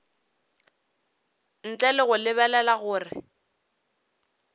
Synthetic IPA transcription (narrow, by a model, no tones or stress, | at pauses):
n̩t͡ɬʼɛlɪɣʊlɪβɛlɛlaɣʊːrɪ